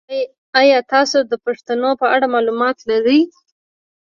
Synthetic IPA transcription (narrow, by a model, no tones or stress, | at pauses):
ajɑt̪ɑsod̪əpaʂt̪anopəaɽamɑlumɑt̪laɾəj